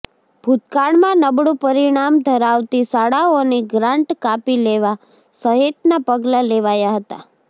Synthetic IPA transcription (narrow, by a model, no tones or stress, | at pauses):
bʱut̪kaɭmãnəbɽũpəɾiɽ̃amd̪ʱəɾaʋt̪isaɽaoneɡɾãɳʈkapileʋa | səɦet̪napəɡlaleʋajaɦət̪a̰